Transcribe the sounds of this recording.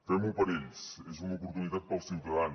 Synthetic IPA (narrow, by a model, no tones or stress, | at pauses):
fɛmupɐɾeʎsɛzumɐuːpuɾt̪uniðat̪̚pɐwsiwt̪ɐðan